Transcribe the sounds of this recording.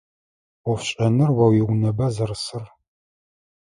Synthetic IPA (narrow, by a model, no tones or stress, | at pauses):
wɔfɕʼɐnɨrwɐwiwʷnɐbɐzɐrɨsɨr